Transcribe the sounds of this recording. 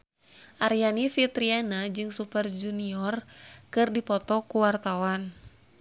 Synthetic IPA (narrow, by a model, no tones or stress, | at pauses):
ʔaɾjanifit̪ɾianad͡ʒɨŋsupərd͡ʒuniɔrkɨrdipɔt̪ɔkuwart̪awan